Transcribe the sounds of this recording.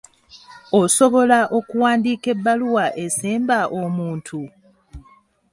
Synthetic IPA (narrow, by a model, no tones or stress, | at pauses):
oso̞βo̞laʔo̞kuwaːndiːke̞bːaluwaʔe̞seːmbaʔomuːntʰu